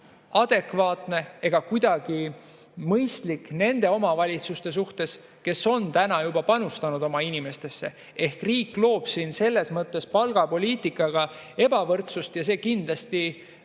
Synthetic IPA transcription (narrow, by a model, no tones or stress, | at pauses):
ɑd̪̥e̞kvɑːt̪ne̞e̞ɡ̥ɑkujd̪̥ɑɡ̥i | mɤjst̪likːne̞nd̪̥e̞o̞mɑvɑlʲit̪sust̪e̞s̬uht̪e̞s | ke̞so̞nt̪ænɑjubɑpɑnust̪ɑnud̪o̞mɑinime̞st̪e̞sːe̞ | e̞hkriːkːlo̞ːb̥sinse̞lːe̞smɤt̪ːˑe̞spɑlɡ̥ɑpo̞lʲiːt̪ˑikːˑɑɡ̥ɑ | e̞bɑvɤrt̪sust̪jɑse̞ːkind̪lɑst̪i